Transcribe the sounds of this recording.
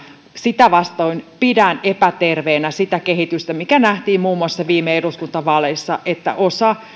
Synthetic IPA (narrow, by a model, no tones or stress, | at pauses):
sit̪æʋɑst̪oinpidænepæt̪erʋeːnæsit̪ækeɦit̪yst̪æmikænæht̪iːmmuːmːuɑsːɑʋiːmeeduskunt̪ɑʋɑleisːɑʔet̪ːæ̰ʔosɑ